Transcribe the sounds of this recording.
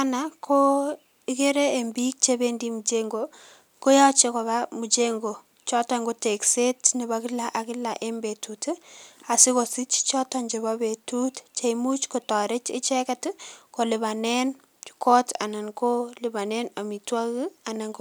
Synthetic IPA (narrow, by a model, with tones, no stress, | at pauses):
a˦na˨kʰo˦ | ɪke˦ɾe˦e˨mbik̚t͡ʃe˦bendimu˨t͡ʃeŋɡo | ko˦ja˦t͡ʃe˦kɔ˨βamu˨t͡ʃeŋɡo˨ | t͡ʃɔ˦tɔ˦ŋɡo˦te˨kse˦tni˨βakɪ˦la˨ʔa˨kɪ˦la˨ʔe˦mbe˨tuta˨sɪ˦kɔ˨si˦t͡ʃt͡ʃɔ˦tɔ˨ɲd͡ʒe˨βa˦be˨tutt͡ʃe˦imu˦t͡ʃkɔ˨tɔ˨ɾɪ˦t͡ʃɪ̰˦t͡ʃɛ˦kɛ˦tko˨lɪβa˨nɛn | t͡ʃu̥kɔ˦ta̰˨na˨nko˦lɪ˨ba˨nɛ˦na˨mi˨twa˦ka˨na˨ŋɡ